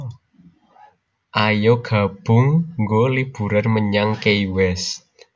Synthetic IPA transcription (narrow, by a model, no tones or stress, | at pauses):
ʔajoɡ̥a̤b̥ʊŋːɡolib̥ṳɾarməɲaŋkeiwɛs